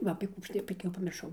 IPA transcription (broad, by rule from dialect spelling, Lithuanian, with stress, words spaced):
ˈʋɐ ɐpʲeː ˈkuː ˈɐʃ tɐɪ ˈbʲɛt jɛʊ pɐmʲɪrˈʃɐʊ